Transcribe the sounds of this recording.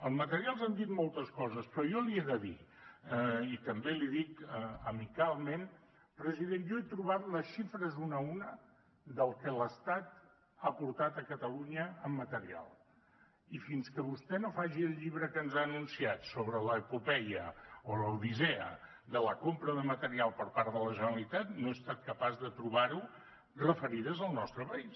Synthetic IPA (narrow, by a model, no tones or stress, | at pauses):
əlˠzmət̪əɾialˠzand̪it̪molˠt̪əskɔzəspɾɔjɔlieðəðḭ | it̪əmbeliðikəəmikalˠmen | pɾəziðenjɔet̪ɾuβat̪ləsʃifɾəzunəunə | ðəlˠkələst̪at̪ | apuɾt̪at̪əkət̪əluɲəːmːət̪əɾia̰lˠ | ifinskəβust̪ɛnofaʒiəlˠʎiβɾəkənzaːnunsiat̪soβɾələpupɛjə̰oləwðizɛə̰ | d̪ələkompɾəðəmət̪əɾialˠpəɾpaɾðələʒənəlit̪at̪noest̪at̪̚kəpazðət̪ɾuβaɾu | rəfəɾiðəzəlˠnɔst̪ɾəpəis